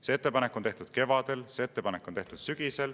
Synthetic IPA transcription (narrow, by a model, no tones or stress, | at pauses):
seet̪ːˑepɑnekːˑont̪e̞ht̪ud̪̥̚ke̞vɑd̪̥e̞lseet̪ːe̞pɑnekːˑo̞neht̪ud̪̥syɡ̥ise̞l